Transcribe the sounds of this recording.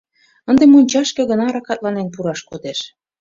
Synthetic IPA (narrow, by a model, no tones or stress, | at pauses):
ə̆nd̪emunʲt͡ɕɑʃkĕɣə̆nɑɾɑkɑt̪̚lɑnenpuɾɑʃkod̪eʃ